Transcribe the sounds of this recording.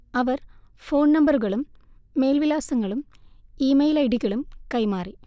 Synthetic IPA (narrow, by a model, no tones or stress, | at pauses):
ɐʋɐr | foːɳnɐmbɐruɣɐɭumːe̞ːlʋilaːsɐŋːɐɭum | iːmɐjlɐjɽiɣɐɭumkɐjmaːri